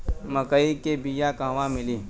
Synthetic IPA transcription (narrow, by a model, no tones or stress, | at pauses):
məkəikebijakãːʋãmɪliː